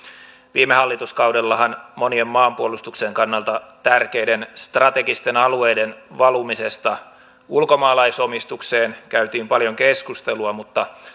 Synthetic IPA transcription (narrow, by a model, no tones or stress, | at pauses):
ʋiːmehɑlːit̪uskɑwdelːɑɦɑnmo̞niemːɑːmpuolust̪ukseŋkɑnːɑlt̪ɑt̪ærke̞jdenst̪rɑt̪e̞ɡist̪e̞nɑlue̞jde̞nʋɑlumise̞st̪ɑ | ulko̞mɑːlɑiso̞mist̪ukse̞ːnkæyt̪iːmpɑljo̞ŋkeskust̪eluɑmut̪ːɑ